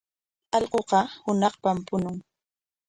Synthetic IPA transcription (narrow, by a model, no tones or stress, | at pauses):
ɑʎɢoqɑhʊnɑχpampʊnʊŋ